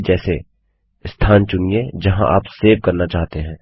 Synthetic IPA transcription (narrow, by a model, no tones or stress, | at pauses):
d͡ʒɛːse | st̪ʰaːnt͡ʃʊnijed͡ʒɐɦã̰ʔa̰ːpseːʋ̚kɐɾnat͡ʃaːɦt̪eɦɛ̃ː